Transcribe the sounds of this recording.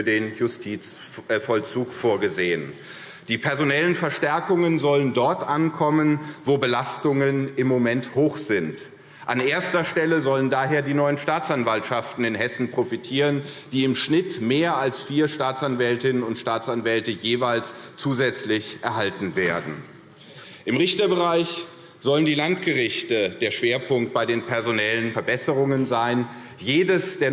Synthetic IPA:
deːnjʊstʰiːt͡s | fɔlt͡suːkfoːɐɡəzeːən | d̥iːpʰɛɐzonɛlənfɛɐʃtɛɐkʊŋənzɔləndɔɐtʔankʰɔmənvoːbəlastʊŋənɪmːomɛnthoːxz̥ɪnt | ʔanʔeːɐstɐʃtɛləzɔləndaːɦeːɐdiːnɔʏənʃtaːt͡sanvaltʃaftn̩ɪnɦɛsn̩pʁ̥ofitʰiːʁ̞ənd̥iːɪmʃnɪtmeːɐalsfiːɐʃtaːt͡sanvɛltɪnənʊntʃtaːt͡sanvɛltəjeːvaɪlst͡suːzɛt͡slɪçʔɛɐɦaltn̩veːɐdn̩ | ʔɪmʁɪçtɐbəʁaɪç | z̥ɔləndiːlantɡ̥əʁɪçtəd̥eːɐʃv̥eːɐpʰʊŋkt̚b̥aɪdeːnpʰɛɐzonɛlənfɛɐbɛsəʁʊŋənzaɪn | jeːdəsd̥eːɐ

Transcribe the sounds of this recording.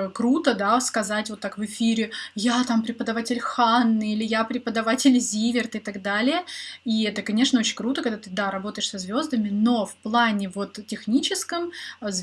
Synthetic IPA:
kɾut̪əd̪askɐzatʲvot̪ːakvɨfʲiɾʲɪjat̪ampɾʲɪpəd̪ɐvatʲɪlʲxanːɨilʲɪjapɾʲɪpəd̪ɐvatʲɪlʲzʲivʲɪrt̪ɪt̪ɐɡd̪alʲɪjəiɛt̪əkɐnʲe̞ʂnəo̞t͡ɕɪnʲkɾut̪əkɐɡd̪at̪ɨd̪aɾɐbo̞t̪əjɪʂsɐzvʲo̞zd̪əmʲɪno̞fplˠanʲɪvo̞t̪tʲːɪxnʲit͡ɕɪskəmz

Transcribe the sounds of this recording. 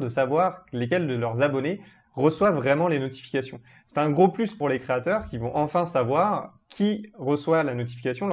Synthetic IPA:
d̪əsavwaʁlek̬ʲɛld̪əlœʁzabɔne | ʁəswavʁɛmɑ̃lenɔt̪i̥fi̥kʲasjɔ̃ | sɛ̥t̪ɛ̃ɡʁoplyspuʁlekχeat̪œʁkʲivɔ̃ʔɑ̃fɛ̃savwaʁ | kʲʰiʁəswalanɔt̪̬i̥fikʲasjɔ̃

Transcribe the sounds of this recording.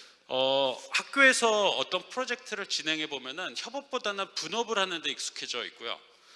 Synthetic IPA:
ʌhak̚k͈joe̞sʰʌʌt͈ʌnpʰɯɾod͡ʑe̞k̚tʰɯɾɯɭt͡ɕine̞ŋɦe̞bomjʌnɯnçjʌbʌp̚p͈odanɯnpunʌbɯɾhanɯndeik̚s͈u̥kʰe̞d͡ʑʌḭk̚k͈ujo̰

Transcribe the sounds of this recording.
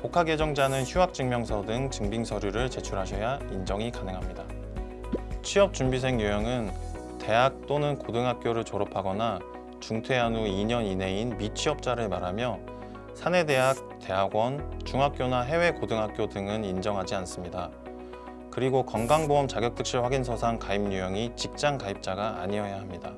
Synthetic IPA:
pokʰaɡed͡ʑʌŋd͡ʑanɯnçuɦak̚t͡ɕ͈ɯŋmjʌŋsʰʌdɯŋt͡ɕɯŋbiŋsʰʌɾjuɾɯɭt͡ɕe̞t͡ɕʰuɾɦaɕʰʌjaind͡ʑʌŋikanɯŋɦamɲida | t͡ɕʰiʌp̚t͡ɕ͈umbis̬ʰe̞ŋjujʌŋɯn | te̞ɦak̚t͈onɯnkodɯŋɦak̚k͈joɾɯɭt͡ɕʌɾʌpʰaɡʌna | t͡ɕuŋtʰwe̞anuiɲʌnine̞inmit͡ɕʰɥiʌp̚t͡ɕ͈aɾɯɭmaɾamjʌ | sʰane̞de̞ɦak̚t͈e̞ɦaɡwʌnt͡ɕuŋɦak̚k͈jonaɦe̞we̞kodɯŋɦak͈̚jodɯŋɯnind͡ʑʌŋɦad͡ʑians͈ɯmɲida | kɯɾiɡokʌŋɡaŋboʌmt͡ɕaɡjʌk̚t͈ʰɯk̚ɕ͈iɭɸwaɡinsʰʌsʰaŋkaimɲujʌŋit͡ɕik̚t͡ɕ͈aŋkaip̚t͡ɕ͈aɡaːɲiʌejaɦamɲida

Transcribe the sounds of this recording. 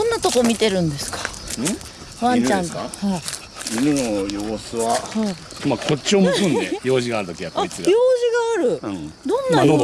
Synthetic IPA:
õnːat̪o̞komʲit̪e̞ɾɯ̟̃nd̪e̞sɨ̥kḁɯ̃ | βãɲt͡ɕãŋkhai | iminojoːsɨβahai | makʰo̞t͡ɕːiomɯkɯ̃nd̪ḛjo̞ːʑiɡaːɾɯ̟t̪o̞kʲijat̪aeɡjo̞ːʑiɡaːɾɯ̟d̪õ̞nːaano

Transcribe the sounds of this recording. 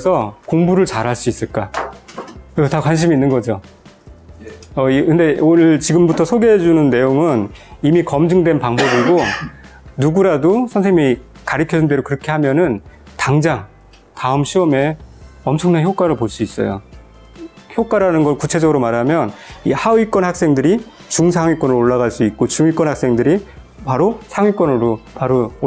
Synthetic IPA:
sʰʌkoŋbuɾɯɭt͡ɕaɾɦaɭs͈uis͈ɯɭk͈a | kɯtakwanɕʰimiːnːɯnɡʌd͡ʑo | ʌikɯnde̞onɯɭt͡ɕiɡɯmbutʰʌsʰoɡeɦed͡ʑunɯnːe̞joŋɯnimikʌmd͡ʑɯŋdwe̞npaŋbʌbiɡo | nuɡuɾadosʰʌnsʰeŋimi | kaɾikʰjʌd͡ʑunde̞ɾokɯɾʌkʰe̞hamjʌnɯntaŋd͡ʑaŋ | taɯmɕʰiʌme̞ʌmt͡ɕʰʌŋnançjok͈waɾɯɭpoɭs͈uis͈ʌ̰jo̰ | çjok͈waɾanɯnɡʌɭkut͡ɕʰe̞d͡ʑʌɡɯɾomaɾamjʌnḭhauik͈wʌnhak̚s͈e̞ŋdɯɾit͡ɕuŋsʰaŋwik͈wʌnɾooɭːaɣaɭs͈uit̚k͈ot͡ɕuŋɥik͈wʌnhaks͈e̞ŋdɯɾi | paɾosʰaŋɥik͈wʌnɯɾopaɾo

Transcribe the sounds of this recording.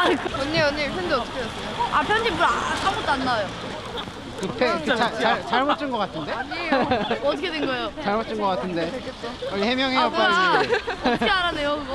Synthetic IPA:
ʌɲːeʌnːepʰjʌndeʌt̪ʰʌkʰeos͈ʌjoapjʌnd͡ʑimuɾasamot͈anːajo | kɯpʰekɯt͡ɕat͡ɕaɭt͡ɕaɭmot͡ɕ͈ɯnɡʌk͈atʰɯnde̞ɲeʌtʰʌkʰedwenɡʌejot͡ɕaɭmot͡ɕ͈ɯnɡʌk͈atʰɯnde̞ʌehe̞mjʌŋɦeop͈ai | eaɾanejoɯɡ

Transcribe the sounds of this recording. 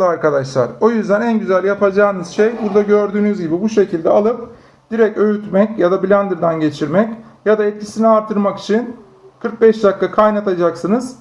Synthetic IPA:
ɯaɾkad̪aʃlˠa̰ɾo̞jyzd̪ænænɟyzælʲjapʰad͡ʒaːɯnɯz̥ʃejbuɾd̪aɟø̞ɾd̪yːnyzɟibibuʃe̞cʰilʲd̪ɛalˠɯp̚ | d̪̥iɾɛcøjyt̪mɛcjad̪abilʲænd̪ɯɾd̪ænɟe̞t͡ʃʰiɾmɛcjad̪aɛt̪̚cʰi̥siniaɾt̪ʰːɯɾmaki̥t͡ʃʰin | kʰɯɾk̚bɛʃd̪ʲakːakʰajnat̪ʰad͡ʒaksɯnɯz̥

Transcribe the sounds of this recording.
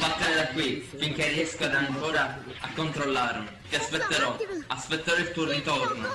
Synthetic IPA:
pat̪ːaɾed̪akːwifiŋk̟erːiɛskad̪aŋkoːɾa | akːont̪ɾolːaːɾ | t̪iaspet̪ːeɾɔaspɛt̪ːeɾɔilt̪uorit̪orno

